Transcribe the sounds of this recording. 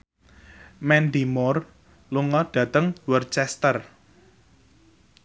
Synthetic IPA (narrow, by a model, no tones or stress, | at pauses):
mɛnd̪imʊr | luŋɔɖ̥ä̤t̪əŋwərt͡ʃɛst̪ər